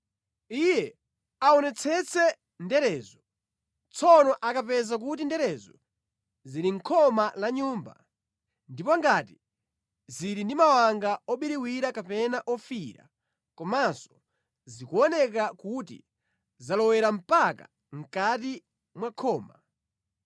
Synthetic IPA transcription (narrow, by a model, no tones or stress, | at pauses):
ijɛ | aɔnɛt͡sʰɛt͡sʰɛ | ndɛɾɛːzɔ | t͡sʰɔnɔʔakapɛzak̬ut̬indɛɾɛzɔ | ziɾiŋ̩kʰɔmalaɲuːmba̰ | ndipɔŋɡati | ziɾindimawaŋɡaɔɓiɾiwiɾakapɛnaʔɔfiɾa̰ | kɔmasɔ̥ | zikuɔnɛkakutḭ | zalɔwɛɾam̩paka̰ | ŋ̩kati | mwakʰɔːma